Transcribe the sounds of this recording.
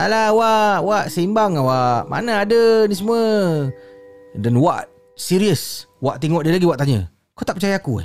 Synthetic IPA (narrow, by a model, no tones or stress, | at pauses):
alawaʔwaʔsəimbaŋawaʔma̰naadənis̬əmuə | danwaʔ | siɾiəswaʔt̪eŋɔʔdiəlaɡiwaʔt̪aɲə̰ | kaot̪aʔpət͡ʃajaːkuɛ̰